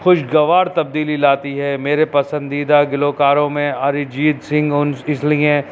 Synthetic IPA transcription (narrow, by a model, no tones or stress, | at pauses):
xʊʃɡɐʋaːɾt̪ɐb̚d̪iːlilaːt̪iɦɛmeːɾepɐsə̃nd̪iːd̪aɡɪloːkaːɾõmẽaːɾid͡ʒiːd̪sɪ̃ŋɡʊnɪsliẽː